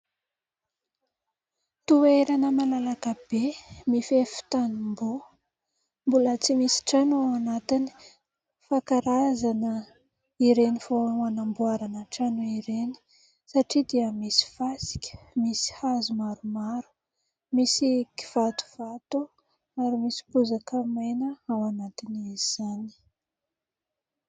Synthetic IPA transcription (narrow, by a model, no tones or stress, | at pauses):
t̪ueɾanəmalalakəbemifefi̥t̪anumbu | mbulət͡simisi̥ʈ͡ʂanuawanat̪ini̥ | fakaɾazanə | iɾenifonuanambuaɾanəʈ͡ʂanuiɾeni̥ | saʈ͡ʂid̪iəmisi̥fasi̥kʲə̥misi̥hazumaɾumaɾu̥ | misiki̥v̥at̪u̥v̥at̪u | aɾimisi̥puzakəmajnəawanat̪iniziz̥ani̥